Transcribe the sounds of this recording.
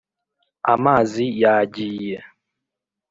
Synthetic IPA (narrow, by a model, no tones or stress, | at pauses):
amazijad͡ʒijɛ